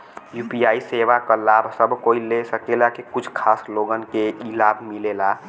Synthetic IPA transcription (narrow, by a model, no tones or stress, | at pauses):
juːpijaːiseʋakəlaːbsəbʱkoːilesəkelakekʊt͡ʃʰkʰaːsloːɡənkeʔilaːbʱmilela